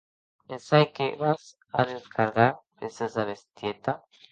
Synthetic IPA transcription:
esajkeβas | aðeskʰaɾɣaɾpesezaβest̪jet̪a

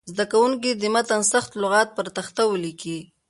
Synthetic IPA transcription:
zd̪akawuŋkid̪ɪmat̪ansaxt̪lʊɣɑt̪̚pəɾt̪axt̪awəliki

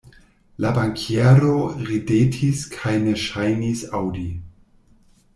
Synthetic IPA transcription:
labaŋkʰieɾoɾidetʰiskʰajneʃajnisawdi

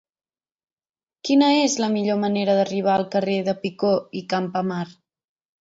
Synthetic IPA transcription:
kinəezləmiʎoməneɾəðəriβ̞aəlˠkəreðəpikoikampəmar

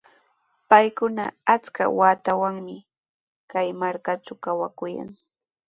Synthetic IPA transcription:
pajkʊna̰at͡ska̰waːt̪awaŋmɪ | kajmaɾkat͡ʃawkawakʊja̰ŋ

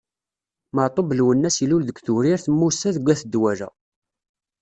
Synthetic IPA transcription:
məʕt̪ˤobəlwənːæsilulðəɡʷθuɾiɾθəmːusæðɡʷæθəd̪ːwæɾæ̰

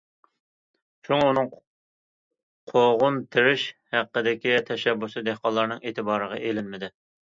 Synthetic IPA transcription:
ʃʰuŋunɨŋ | qʰoʁʊnt̪ʰɪɾɪʃhæqːəd̪ɪkʲit̪ʰɛʃɛbːusɨd̪ehqɑlˠːɑɾnɨŋet̪ʰɪbɑːɾəʁɑ̰ʔelɪnmɪd̪ɪ

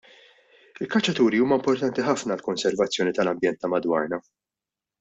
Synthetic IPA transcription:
ɪlkɐt͡ʃːɐt̪uːɾiuːmɐmpɔɾt̪ɐnt̪iħɐfnɐlkɔnsɛɾvɐt͡sːjɔːnit̪ɐlɐmbjɛnt̪ːɐmɐd̪wɐ̰ːɾnɐ

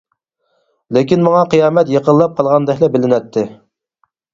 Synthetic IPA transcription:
lekʲinmɑŋɑqʰɨjɑːmɛt̪jəqʰəlːˠɑp̚qʰɑlˠʁɑnd̪ɛkʲlɛbɪlɪnɛt̪ʰːɪ

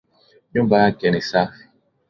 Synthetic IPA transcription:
jõmbaakɛnesa

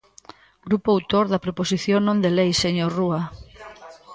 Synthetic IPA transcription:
ɡɾupoawt̪oɾðɐpɾoposiθjonõnd̪elejseɲorua

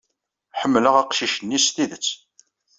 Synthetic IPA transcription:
ħəmːləʁæqʃiʃənːisθiðət͡sː

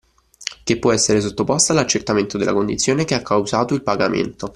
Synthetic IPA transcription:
k̟epːwɔɛsːeɾes̬ot̪ːopɔst̪aːlat͡ʃːert̪ament̪od̪elːa̰kond̪it̪sːjoːnekeakʰːawzaːt̪oilpaɡamḛnt̪o

